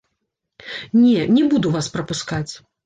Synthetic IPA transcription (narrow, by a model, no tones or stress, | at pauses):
nʲɛnʲɛbud̪uvaspɾɐpuskat͡sʲ